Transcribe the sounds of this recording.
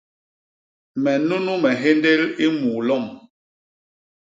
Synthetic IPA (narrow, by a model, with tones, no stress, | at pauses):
mɛ˨nu˦nu˦mɛ˨ɦe˦nde˦li˦muː˨lɔ˦˨m